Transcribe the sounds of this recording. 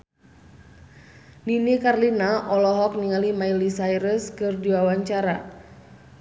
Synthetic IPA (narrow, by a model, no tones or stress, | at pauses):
ninikarlinaʔɔlɔɦɔk̚niŋalimailisajɾəskɨrdiwawaɲt͡ʃaɾa